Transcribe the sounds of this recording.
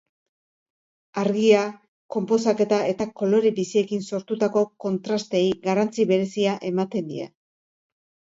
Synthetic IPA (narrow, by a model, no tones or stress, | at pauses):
aɾɣia | ko̞mpo̞sake̞t̪ae̞t̪ako̞lo̞ɾibisie̞kinso̞ɾt̪ut̪ako̞ko̞nt̪ɾast̪ejɣarant͡siβe̞ɾe̞siaʔe̞mat̪e̞nd̪ḭa̰